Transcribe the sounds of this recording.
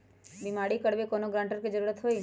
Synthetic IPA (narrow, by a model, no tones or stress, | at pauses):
bimaɽikəɽʋekonoɡɾãɳʈəɾked͡ʒəɾuɾət̪ɦoi